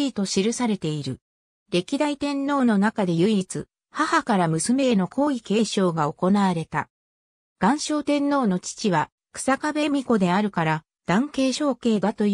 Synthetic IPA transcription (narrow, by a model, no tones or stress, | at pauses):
iːt̪o̞ɕiɾɯ̟saɾe̞t̪e̞iɾɯ̟ | ɾe̞kʲid̪ait̪ẽ̞nːo̞ːno̞nakad̪e̞jɯ̟iit͡sɨ̰ | hahakaɾamɯ̟sɨme̞no̞kʰo̞ːike̞ːɕo̞ːɡao̞ko̞naβaɾe̞t̪a̰ | ɡ̥ãɰ̃ɕo̞ːt̪ẽ̞nːo̞ːno̞t͡ɕi̥t͡ɕiβa | kɯ̥sakabe̞mʲiko̞d̪e̞aɾɯ̟kaɾa | d̪̥ãŋke̞ːɕo̞ːke̞ːd̪at̪o̞j